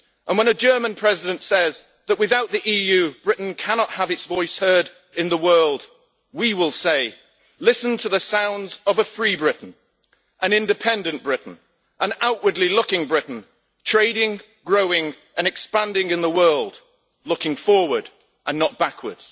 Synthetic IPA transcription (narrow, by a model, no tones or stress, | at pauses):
ʔə̃nwə̃ñɨd͡ʒɜ˞mə̃npʰɹ̥ɛzɨɾɨ̃ntsɛz | ðəʔ̚wɨðaʊʔ̪̚ðiʔijʉbɹɪʔn̩kʰænɑt̚həvɨtsvɔɪshɜ˞ɾ | ɨ̃nðəwɜ˞lˠd̚ | wiwɪlˠseɪ | lɪsn̩tʰɨðɨsãʊ̃ndzʌvəfɹibɹɪʔn̩ | ʔɨ̃nɪ̃ndɨpʰɛ̃ndɨ̃nb̥ɹɪʔn̩ | ʔə̃naʊʔwə˞dˡlilʊkɪ̃ŋbɹɪʔn̩ | tʰɹ̥eɪɾɪ̃ŋ | ɡɹoʊɪ̃ŋ | ɨ̃nɨkspæ̃ndɪ̃ŋɨ̃nðəwɜ˞lˠd̥ | lʊkɪ̃ŋfɔɹwə˞ɾ | ʔə̃nːət̚b̥akʰwə˞dz̥